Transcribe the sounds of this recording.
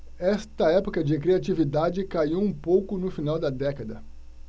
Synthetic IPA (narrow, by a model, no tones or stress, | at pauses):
ɛst̪ɐɛpokɐd͡ʒɪkɾiat͡ʃivid̪ad͡ʒɪkaiwũpowkʊnʊfinawd̪ɐd̪ɛkɐd̪ɐ